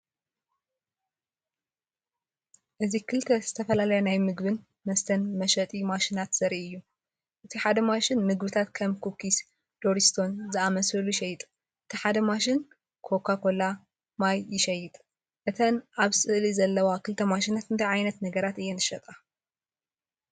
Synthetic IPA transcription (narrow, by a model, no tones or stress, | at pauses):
ʔɨzikʰɨlt̪ʰɐzɨt̪ʰɐfɐlalɐjɐnajmɨɡbɨn | mɐst̪ʰɐnmɐʃɐt̪ʼimaʃinat̪sɐɾiɨjːu | ʔɨt̪ʰiħad̪ɐmaʃɪnmɨɡbɨt̪ʰat̪kʰɐmkʰukis | d̪̥oɾist̪ʰo̞nzɨamɐsɐlujɪʃɐjːɪt̪ʼ | ʔɨt̪ʰiħad̪ɐmaʃɪn | kʰo̞kʰakʰo̞la | majjɪʃɐjːɪt̪ʼ | ʔɨt̪ʰɐnʔaβsɨʔlizɐlːɐwakʰɨlt̪ʰɐmaʃinat̪ɨnt̪ʰɐjʕajnɐt̪nɐɡɐɾat̪ɨjːɛnɨʃɐt̪ʼa